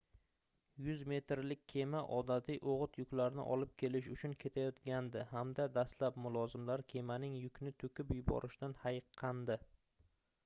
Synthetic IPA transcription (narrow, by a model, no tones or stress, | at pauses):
jʊzme̞t̪ɾlɪkʲːʰe̞maʔɒd̪at̪ʰijʔoʁɨt̪jʊkʲlaɾnɪ̰ʔɒ̰lɪp̚kʲʰe̞lɪʃ̬ʊt͡ʃʰʊnkʲʰe̞t̪ʰajɒt̪ɡʲand̪ɪhamd̪ad̪aslap̚mʊlˠɒzɪmlaɾkʲʰe̞manɪŋjʊkʲʰnɪt̪ʰʊkʲɪpjʊbɒ̰ɾʔɪʃt̪anhajqʰːɑnd̪ɪ